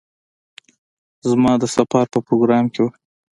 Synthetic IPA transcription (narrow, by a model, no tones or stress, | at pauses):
zmɑd̪əsafɑɾpəpɾoɡɾɑmkew